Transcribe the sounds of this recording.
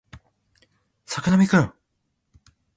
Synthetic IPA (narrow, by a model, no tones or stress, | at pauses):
sakɯnamʲikɯ̃